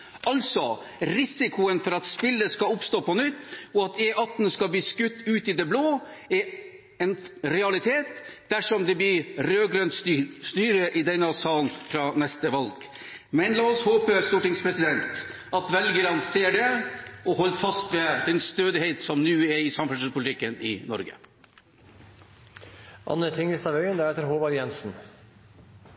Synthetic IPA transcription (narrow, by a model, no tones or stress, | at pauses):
ʔɑlsɔ | ɾɪsɪkʰʊənfɔɾɑt̪spɪlːəskɑʊpst̪oːpʰɔnʏt̪ːɔɑt̪ɛʔɑt̪n̩skɑbliːskʉt̪ːʉːt̪ɪd̪ɛbloːɛ | ɛnɾɛɑlɪt̪ʰeːt̪d̪̥æʂɔmd̪ɛb̪ɪɾøːɡɾœnst̪yːɾəʔɪd̪ɛnːəɑsɑːln̩fɾɑnɛst̪əʋɑlɡ | mɛnlɑːɔshoːpəɾst̪uːʈɪŋspʰɾɛsɪd̪ɛnt̪ | ɑt̪ʋɛlɡəɾɑnseːɖɛɔhɔlːfɑst̪ʋɛd̪ɛnst̪øːd̪ɪheɪt̪sɔmnʉːɛɾɪsɑmfʉnspʰʊlɪt̪ʰɪkːənɪ̰nɔ̰ɾɡə̰ | ʔɑ̰nːət̪ʰɪŋɪst̪ɑʋœʏənd̪ɛɾɛːt̪əɾɦoːbɑɾjɛnsn̩